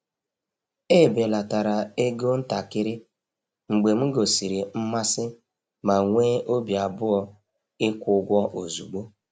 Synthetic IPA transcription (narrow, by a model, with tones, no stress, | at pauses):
e˦˨be˨la˨ta˨ɾa˨e˦ɡo˦n̩˦ta˨kɪ˦ɾɪ˦ | ŋ͡m̩˨ɡ͡be˨m̩˦ɡo˨si˨ɾi˨m̩˦ma˦sɪ˦ | ma˨ŋʷeː˦ʔo˦bi˨a˨bʊ˦ɔ˦ | ɪ˦kʷʊ˨˦ɡʷɔ˦ʔo˨zu˨ɡ͡bo˦